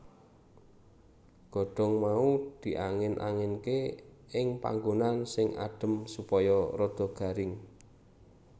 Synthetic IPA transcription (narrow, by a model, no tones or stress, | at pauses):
ɡ̥ɔ̤ɖ̥ɔ̤ŋmaud̪̥i̤ʔaŋɪnʔa̰ŋɪnke | ɪŋpa̰ŋɡonansɪŋa̰ɖ̥ə̤msupɔjɔrɔd̪̥ɔ̤ɡ̥a̤ɾɪŋ